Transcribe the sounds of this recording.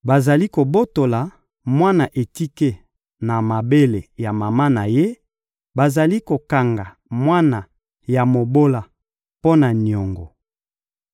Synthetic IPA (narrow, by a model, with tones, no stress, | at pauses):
ba˨za˨li˦ko˨bo˦to˨la˨ | mwa˦na˨ʔe˨ti˦ke˦ | na˨ma˨be˦le˨ja˨ma˨ma˦na˨je˦ | ba˨za˨li˦ko˨ka˨ŋɡa˨ | mwa˦na˨ | ja˨mo˨bo˦la˨ | po˦na˨n˨ɔ˨ŋɡɔ̰˨